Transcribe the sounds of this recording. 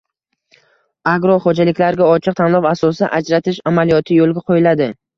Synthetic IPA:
aɡɾɒχod͡ʒalɪkʲlaɾɡʲaɒt͡ʃʰɪɨq̚t̪ʰanlˠɒvasɒsaʔad͡ʒɾat̪ʰɪʃamalijɒt̪ʰɪjolˠɡʲaqʰojɪlad̪ɪ

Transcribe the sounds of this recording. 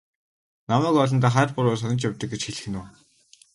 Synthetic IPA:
namæːkɔɮɞ̆nt̪aːχaːrpʊɾʊːs̬ɔnɞ̆t͡ɕjawʲt̪ə̆k̚ɡet͡ɕxeɮɘ̆xɘ̆nʊː

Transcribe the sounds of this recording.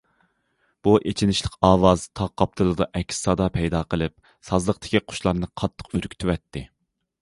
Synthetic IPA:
b̥uʔet͡ʃʰinɪʃlˠəqɑːwɑzt̪ʰɑqːɑp̚t̪ʰɨlˠɨd̪ɑʔɛkʲssɑd̪ɑpʰɛjd̪ɑːqʰəlˠɨp̚ | sɑzlˠəq̚t̪ʰɪ̥kʲʰiqʰʊ̥ʃlˠɑɾnɨqʰɑt̪ʰːə̥qøɾkʲt̪ʰywɛt̪ʰːɪ

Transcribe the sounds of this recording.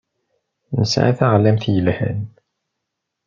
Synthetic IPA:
nəsʕa̰θaʁlæmθjəlhæ̰n

